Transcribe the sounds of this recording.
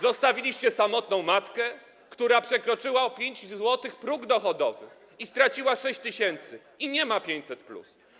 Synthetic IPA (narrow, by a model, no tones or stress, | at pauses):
zɔst̪avʲilʲiɕt͡ɕɛsamɔt̪nɔ̃w̃mat̪kɛ | kt̪uɾapʂɛkɾɔt͡ʂɘwaɔpʲjeɲd͡ʑzwɔt̪ɘxpɾuɡd̪ɔxɔd̪ɔ̰vɘx | ist̪ɾat͡ɕiwaʂɛɕt͡ɕt̪ɘɕɛnt̪sɘ | iɲɛmapʲjeɲt͡ɕʲsɛt̪plṵs